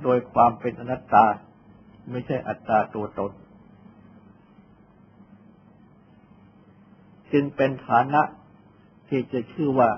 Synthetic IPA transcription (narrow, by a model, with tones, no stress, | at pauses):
doː˧jkʰwaː˧mpe˧nʔa˧na˦˥t̪ːaː˧ | ma˥˩jt͡ɕʰa˥˩jʔa̰˨˩t̪ːɾaː˧t̪u˧ɐt̪o˧n | t͡ɕɯ˧ŋpe˧nt̪ʰaː˩˦na˦˥ʔ | t̪ʰiː˥˩t͡ɕa˨˩t͡ɕʰɯː˥˩waː˥˩